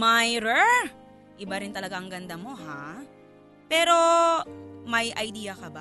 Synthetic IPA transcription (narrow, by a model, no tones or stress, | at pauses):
majɾɛ | ʔɪbaɾɪnt̪ɐlɐɡaʔɐŋɡɐnd̪ɐmo̞ɦa | pɛːɾo̞ | mɐjʔɐjd̪iːjɐkɐba